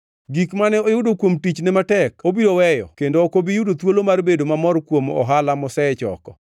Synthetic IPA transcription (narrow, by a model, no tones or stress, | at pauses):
ɡikmanɛojʊdokwomtit͡ʃnɛmatɛkobiɾowɛjɔ̰kendoːkobijudot̪wolomarbedomamɔrkwomɔ̰ɦalamɔsɛt͡ʃɔ̰kɔ